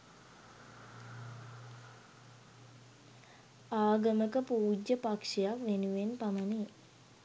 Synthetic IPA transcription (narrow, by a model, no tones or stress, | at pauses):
aːɡəməkəpuːd͡ʒəpakʂijakʋenuʋenpaməni